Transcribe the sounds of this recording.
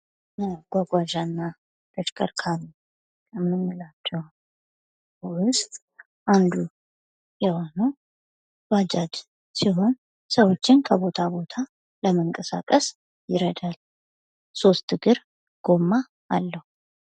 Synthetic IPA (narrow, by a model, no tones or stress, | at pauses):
ɡ̥ʷaɡʷaʒanːa | t̪ʼəʃkʼə̰ɾkʰaβi | ɛmːɨmːɨlat͡ʃːɛh | wʊst̪ʼ | ʔand̪u | jɛho̞nəw | wad͡ʒad̪ | siɦo̞n | səwo̞t͡ʃːɪnkʰəbo̞t̪ʰabo̞t̪ʰa | ləməŋkʼəsa̰kʼəs | jɪɾəd̪al | so̞st̪ɨɡɨɾ | ɡ̥o̞mːa | ʔːlːəhu